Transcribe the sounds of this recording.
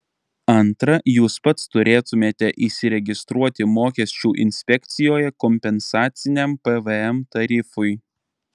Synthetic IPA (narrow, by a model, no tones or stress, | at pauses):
ɐnˑt̪ɾɐjuːspɐt̪st̪ʊɾʲeːt̪ʊmʲeːt̪ʲɛʔiʃsʲɪɾʲɛɡʲɪst̪ɾuɔt̪ʲɪmoːkʲɛsʲt͡ʃʲuːʔɪ̰nʲsʲpʲɛkʲt̪sʲɪjoːjɛkɔmʲpʲɛnsɑːt̪sʲɪnʲɛmpɛʋɛɛmt̪ɐɾʲɪfʊɪ